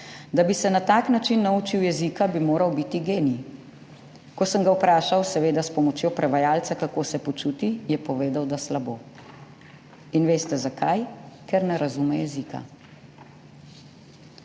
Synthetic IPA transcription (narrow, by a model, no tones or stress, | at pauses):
d̪abisɛnat̪aːknat͡ʃinːauːt͡ʃiwjɛzikabimoːɾɐwbit̪iɡeːni | kɔsəŋɡawpɾaːʃawsɛʋeːd̪aspɔmɔt͡ʃjoːpɾɛʋajaːlt̪sakakoːsɛpɔt͡ʃuːt̪ijɛpɔʋeːd̪awd̪aslaboː | inʋeːst̪ɛzakʰajkɛɾnɛɾazumɛjɛzika̰